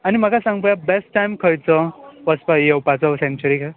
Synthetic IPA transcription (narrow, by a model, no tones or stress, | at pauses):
anim̤akasãŋɡpəjabesʈʈːajmkʰəjt͡səʋəspajewpat͡sɔsent͡ɕuɾika